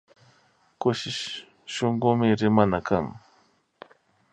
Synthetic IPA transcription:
kʊʃɪʃ | ʃoŋɢʊmɪɾɪmanakaŋ

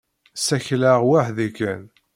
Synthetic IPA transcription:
sæçlaʁwaħðikæn

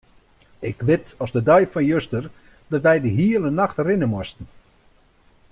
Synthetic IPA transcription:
ɪkʋɪtɔsdədœjfɔnjøstər | d̥ɔtʋɛjdəɦiələnaxtrɪnəmɔstən̩

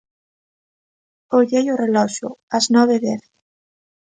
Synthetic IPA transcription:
oʎejorelɔʃʊ̰aznɔβ̞eðeθ

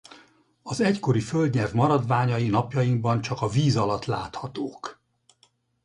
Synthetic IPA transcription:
ɒzɛcko̞ɾiføld̪ɲɛrvmɒɾɒd̪vaːɲɒjinɒpjɒjiŋɡbɒnt͡ʃɒkɒviːzɒlɒt̪laːt̪hɒt̪oːk

